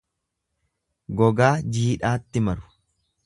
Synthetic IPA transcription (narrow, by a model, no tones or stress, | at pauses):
ɡɔɡaːd͡ʒiːᶑaːt̪ːɪmɐɾʊ̥